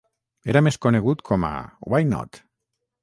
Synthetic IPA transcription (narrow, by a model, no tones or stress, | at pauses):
eɾameskoneɣ̞ut̪kʰoma̰wajno̰t̪